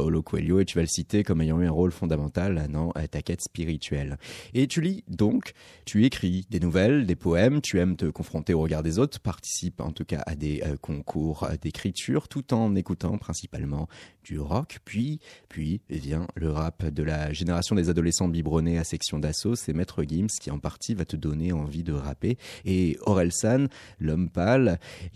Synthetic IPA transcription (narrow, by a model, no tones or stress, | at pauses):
olokʰwḛljoet̪yvaləsit̪ekɔmejɑ̃yɛ̃ʁolfɔ̃d̪amɑ̃t̪ald̪ɑ̃ʔt̪akʲɛt̪spiʁit̪ɥɛlet̪ylid̪ɔ̃kt̪ʰyekχid̪enuvɛld̪epɔɛmt̪ʰyɛmt̪əkɔ̃fχɔ̃t̪eoʁəɡaʁd̪ezot̪χpaʁt̪i̥sipɑ̰̃t̪uka̰ʔa̰d̪ekʰɔ̃kʰuʁd̪ekχit̪ʰyʁt̪ut̪ɑ̃nekut̪ɑ̃pχɛ̃si̥pa̰lmɑ̃d̪̥yʁɔkpɥipɥivjɛ̃ləʁapd̪əlaʒeneʁasjɔ̃d̪ezad̪ɔlesɑ̃bibʁɔneasɛksjɔ̃d̪asosɛmɛt̪χəɡimskʲiɑ̃paʁt̪ivat̪əd̪ɔneɑ̃vid̪əʁapeː | ɔʁɛlsɔnlɔmpal